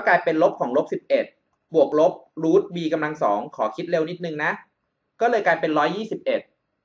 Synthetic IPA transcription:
ɔ˥˩klaː˧jpe˧nlo˦˥p̚kʰɔː˩˦ŋlo˦˥p̚si˨˩p̚ʔe˨˩t̪̚ | bu˨˩ək̚lo˦˥p̚ɾuː˦˥t̪̚wiː˧ka˧mla˧ŋsɔ̰ː˩˦ŋkʰɔː˩˦kʰi˦˥t̪̚le˧wni˦˥t̪̚nɯ˨˩ŋna˦˥ʔ | kɔː˥˩lɤː˧jklaː˧jpe˧nɾɔː˦˥jːiː˥˩si˨˩p̚ʔe˨˩t̪̚

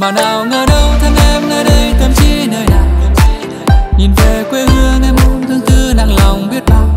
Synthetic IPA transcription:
maː˨˩naː˨˩wŋəː˧˩ɗə˧wt̪ʰə˧ŋʔɛ˧mnəː˧˩jɗə˧jt̪ə˨˧˩mt͡ɕi˧˥nəː˨˧˩jnaː˨˩jt̪ə˨˩mi˧˨ɲi˨˩nve˨˩kwe˧hɨ˧əŋʔɛ˧mʔo˧˦ŋ͡mt̪ʰə˧ŋt̪ɨ˧naː˨˩ŋla˨˩wŋ͡mɓi˦˥ət̚maː˧˩w

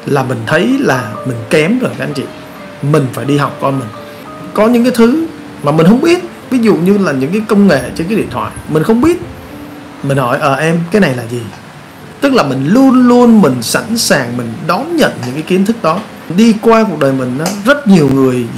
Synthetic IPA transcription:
laː˨˩mï˨˩ŋ̟t̪ʰə˨˦jlaː˨˩mï˨˩ŋ̟kɛ˨˦mɣəː˨˧˩ka˧a˧˨˦ŋ̟t͡ɕḭ˧˨ | mï˨˩ŋ̟faː˧˩jɗi˧ɦa˨˩wk͡p̚kɔ˧mï˨˩ŋ̟ | kɔ˨˦ɲɨ̰˧˥ŋkaː˨˦jt̪ʰɨ˨˦ | maː˨˩mi̟˨˩hə˧wŋ͡mɓi˦˥ət̚ | vi˨˦zṵ˧˨ɲɨ˧laː˨˩ɲɨ̰˧˥ŋkaː˨˦jkə˧wŋ͡mŋḛ˧˨t͡ɕnkaː˨˦jɗḭ˧˨ənt̪ʰwa̰ː˧˨jmï˨˩ŋ̟xə˧wŋ͡mɓi˦˥ət̚ | mï˨˩ŋ̟hɔ˧˩jʔəː˧˩ʔɛ˧mkaː˨˦jna˨˩jlaː˨˩zi˨˩ | t̪ɨ˦˥k̚laː˨˩mï˨˩ŋ̟lu˧ənlu˧ənmï˨˩ŋ̟sa̰˧˥nsaː˨˩ŋmï˨˩ŋ̟ɗɔ˨˦ŋ͡mɲə̰˧˨nɲɨ̰˧˥ŋkaː˨˦ki˨˦ənt̪ʰɨ˦˥k̚ɗɔ˨˦ | ɗi˧kwaː˧ku˨˩ək̚ɗəː˨˩jmï˨˩ŋ̟ʔaː˨˦zə˦˥t̚ɲi˨˩əwŋɨ˨˩əj

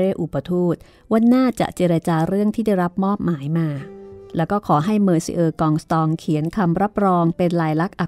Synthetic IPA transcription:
ɾeː˥˩ʔu˨˩ba˧t̪ʰuː˥˩t̪̚ | wa˧˥nːaː˥˩t͡ɕa̰˨˩ʔt͡ɕe˧ɾa˧t͡ɕaː˧ɾɯ˥˩əŋt̪ʰiː˥˩da˥˩jɾa˦˥p̚mɔː˥˩p̚maː˩˦jmaː˧lɛː˦˥wkɔː˥˩kʰɔː˩˦ɦa˥˩jmɤː˧sḭ˧˦ʔɤː˧kɔː˧ŋst̪ɔː˧ŋkʰi˩˦ənkʰa˧mɾa˦˥p̚ɾɔː˧ŋpe˧nlaː˧jla˦˥k̚ʔa˨˩

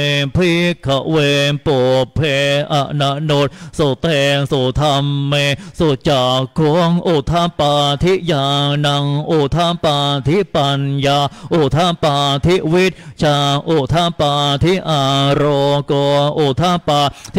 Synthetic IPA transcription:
pʰiː˥˩kʰa˧˦ʔweː˧npoː˨˩pʰːeː˧ʔa˧˩ʔna˧˥no˧˥t̪̚so˨˩t̪ɛː˧ŋso˨˩t̪ʰa˧mːeː˧so˨˩t̪̚t͡ɕaː˨˩kʰːu˧˥əŋʔoː˨˧˩t̪ʰa˧˥˩paː˧t̪ʰi˦˥jaː˧na˧ŋʔoː˧˩t̪ʰa˧˥˩paː˧t̪ʰi˦˥pa˧njaː˧ʔoː˨˧˩t̪ʰa˧˥˩paː˧t̪ʰi˦˥˩wi˦˥˩t̪̚t͡ɕʰaː˧ʔoː˨˩t̪ʰa˧˥˨paː˧t̪ʰi˦˥ʔaː˨˧˩ɾɔː˧kɔː˧nʔoː˨˩t̪ʰa˥paː˧t̪ʰ

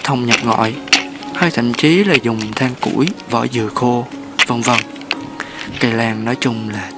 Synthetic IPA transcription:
t̪ʰə˧wŋ͡mɲə˨˩p̚ŋɔ̰˧˨j | həː˧jt̪ʰə̰˧˨mt͡ɕi˨˦laː˨˩zʊ˨˩ŋ͡mt̪ʰaː˧ŋkṵ˧˥jvə̰ː˧˩jzɨ˨˩əxo˧ | və˧nvə˧˩ŋ | kə˧˩laː˨˩ŋnɔ˨˦jt͡ɕʊ˧ŋ͡mlaː˨˩

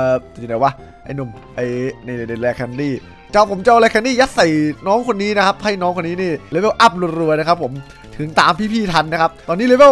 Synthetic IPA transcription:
ʔːa˨˦˩waː˧˥˩ | ʔa̰˧˩jnu˧˩m | ʔa˧˩jna˧˩jna˧˩na˧˩lɛː˧kʰːɛ˧ndiː˥˩ | t͡ɕa˧˩wpʰo˩˦mt͡ɕa˧˩wlɛː˧kʰɛ˧ndiː˥˩ja˦˥t̚sa˨˩jnɔː˦˥ŋkʰo˧nːiː˦˥na˦˥kʰa˦˥p̚ha˥˩jnɔː˦˥ŋkʰo˧nːiː˦˥niː˥˩leː˧˥we˥˩wʔa˦˥p̚ɾu˧ənɾu˧əjna˦˥kʰa˦˥pʰːo˩˦m | t̪ʰɯ˩˦ŋt̪aː˧mpʰiː˥˩pʰiː˥˩t̪ʰa˧nːa˦˥kʰa˦˥p̚t̪ɔː˧niː˦˥le˧˥be˥˩

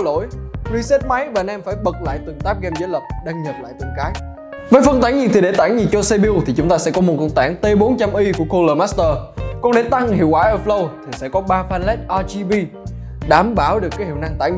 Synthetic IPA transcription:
lo̰˧˥˨jzi˧sɛ˦˥t̚ma˨˦jvaː˨˩nɛ˧mfaː˧˩jɓə˨˩k̚la̰ː˧˨jt̪ɨ˨˩ŋt̪aː˦˥p̚ɣɛ˧mzəː˨˦jlə˨˩p̚ɗaː˧ŋɲə˨˩p̚la̰ː˧˨jt̪ɨ˨˩ŋkaː˨˦j̚ | vəː˨˦jfə˧nt̪aː˧˩ŋɲi˨˩t̪i˨˩ɗe˧˩t̪aː˧˩ŋɲi˨˩nt͡ɕɔ˧se˧ɓi˧wt̪ʰi˨˩t͡ɕʊ˨˦ŋ͡mt̪aː˧sɛ̰˧˥kɔ˨˦m˨˩t̚kɔ˧˩n̚t̪aː˧˩ŋt̪e˧ɓo˨˦nt͡ɕa˧mʔi˧ku˧˩əko˧ləː˧˩ma˦˥st̪əː˧˩kɔ˧nɗe˧˩t̪a˧ŋhḭ˧˨əwkaː˧˩˦ʔə˨˧˩flə˧wt̪ʰi˨˩sɛ̰˧˥kɔ˨˦ɓaː˧faː˧nlɛ˦˥t̚ʔaː˧t͡ɕi˧vi˧ | ɗaː˨˩˦mɓaː˧˩wɗɨ˨˩əkaː˨˦jhi˧˨wna˧ŋt̪a̰ː˧˩j

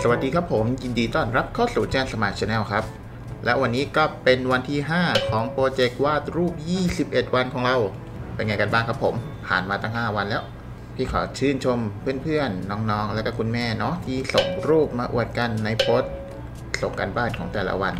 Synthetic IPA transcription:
sa˧wa˨˩t̪̚diː˧kʰa˦˥pʰːo˩˦mji˧ndiː˧t̪ɔː˧˥˩nɾa˦˥p̚kʰɔː˥˩suː˨˩t͡ɕa˧˩nsa˧maː˨˩t̪̚t͡ɕʰe˧nɛː˧˩wkʰa˦˥p̚ | lɛ˦˥wa˧nːiː˦˥kɔː˥˩pe˧nwa˧nt̪ʰiː˥˩ɦaː˥˩kʰɔː˩˦ŋpoː˧t͡ɕe˨˩k̚waː˥˩t̪̚ɾuː˥˩p̚jiː˥˩si˨˩p̚ʔe˨˩t̪̚wa˧nkʰɔː˩˦ŋɾa˧w | pe˧nŋa˧jka˧nbaː˥˩ŋkʰa˦˥pʰːo˩˦m | pʰa̰ː˨˩nmaː˧t̪a˥˩ŋhaː˥˩wa˧nlɛː˦˥w | pʰiː˥˩kʰɔ̰ː˩˦t͡ɕʰɯː˥˩nt͡ɕʰo˧mpʰɯ˥˩ənpʰɯ˥˩ənːɔː˦˥ŋnɔː˦˥ŋlkaː˥˩kʰu˧nmɛː˥˩nɔ˦˥t̪ʰiː˥˩so˨˩ŋɾuː˥˩p̚maː˧ʔṵ˨˩ət̪̚ka˧nːa˧jpʰoː˦˥t̪̚ | so˨˩˦ŋka̰ː˧nbaː˥˩nkʰɔː˩˦ŋt̪ɛː˨˩lʔa̰˧˥wa˧n

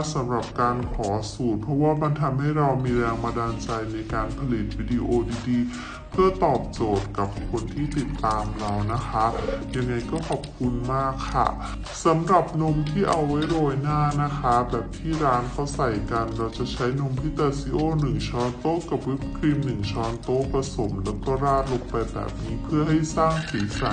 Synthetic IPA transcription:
sa˨˩˦mɾa˨˩p̚kaː˧nkʰɔː˩˦suː˨˩t̪̚pʰɾɔ˦˥waː˥˩ma˧nt̪ʰa˧mha˥˩jɾa˧wmiː˧ɾɛː˧ŋmaː˧daː˧nt͡ɕa˧jna˧jkaː˧npʰa˧li˨˩t̪̚wiː˧di˧ʔoː˧diː˧diː˧ | pʰɯ˥˩ɐt̪ɔː˨˩p̚t͡ɕoː˨˩t̪̚ka˨˩p̚kʰo˧nt̪ʰiː˥˩t̪i˨˩t̪ːaː˧mɾa˧wna˦˥kʰa˦˥ja˧ŋːa˧jkɔː˥˩kʰɔ˨˩p̚kʰu˧nmaː˥˩kʰːa̰˥˩ | sa˨˦mɾa˨˩p̚no˧˥mt̪ʰiː˥˩ʔa˧wːa˦˥jɾoː˧jnaː˥˩na˦˥kʰa˦˥bɛː˨˩p̚t̪ʰiː˥˩ɾaː˦˥nkʰa˦˥wsa˨˩jka˧nɾa˧wt͡ɕa˨˩t͡ɕʰa˦˥jno˧mpʰiː˦˥˩t̪aː˧si˦˥ʔoː˥˩nɯ˨˩ŋt͡ɕʰɔː˧nt̪oː˥˩ka˨˩p̚wi˦˥p̚kʰɾi˧mnɯ˨˩ŋt͡ɕʰɔː˧nt̪oː˥˩pa˧so˩˦mlɛː˦˥wkɔː˥˩ɾaː˥˩lo˧k̚pa˧jbɛ̰ː˨˩p̚niː˦˥pʰɯ˥˩ɐɦa˥˩jsaː˥˩ŋsiː˨˦sa˨˦

